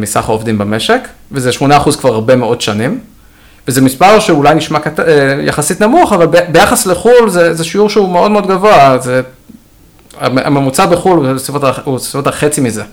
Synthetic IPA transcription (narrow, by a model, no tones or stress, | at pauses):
misaχaovdimbame̞ʃe̞k | vezeʃmonaːχuzkvaʁaʁbe̞meo̞dʃanim | vezemispaʁʃeulajniʃmakateja̰χasitnamuχavalbbe̞jaχasleχulzezeʃiuʁʃeumeo̞dmeo̞d̪ɡavo̞aze | a̰ʔa̰memut͡sabeχulusifotausifotaχe̞t͡simize